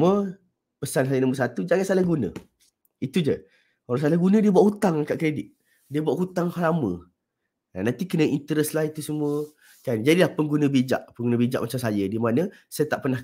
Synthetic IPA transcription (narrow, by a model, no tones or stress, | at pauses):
uə | pəsanɦajənãmbəs̬at̪ud͡ʒaŋansalahɡunə̰̃ | it̪ud͡ʒə | olas̬alahɡunə̃diəbuwaʔhut̪aŋakaʔkɾedɪt̪̚ | diəbuaʔɦut̪aŋhalamə̰̃ | nanant̪ikənəint̪əɾəslahit̪usəmuə | kand͡ʒadilahpəŋɡunə̃bid͡ʒa̰ʔpəŋɡunə̃bid͡ʒa̰ʔmat͡ʃamsajədimanə̃sajət̪aʔpərnah